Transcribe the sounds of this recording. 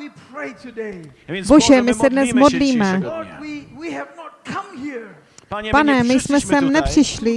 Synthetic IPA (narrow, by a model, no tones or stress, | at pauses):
wipʰɹeɪtɨdebo̞ʒɛmɪsɛdnɛsmodliːmɛwiwiɛvnɔt̚kʰʌ̃mhiɹ | panɛmɪjsmɛsɛmnɛpr̝̥ɪʃlɪ